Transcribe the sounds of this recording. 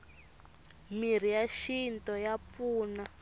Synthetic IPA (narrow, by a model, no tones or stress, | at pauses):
mir̤ijaʃintɔjap̪fuːna